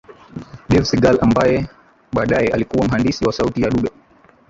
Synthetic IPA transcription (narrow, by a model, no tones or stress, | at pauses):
ɗɛfsiɡalambajɛ | ɓaːɗajɛʔalikuwam̩ɦandisiwasautijaɗuɓɛ